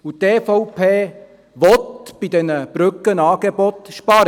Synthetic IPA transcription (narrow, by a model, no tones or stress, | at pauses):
utɛːfɔwpʰeː | ʋɔtb̥id̥ɛnəb̥ɾʏkːənɑːɡ̥ebɔt̪ʃpɑɾə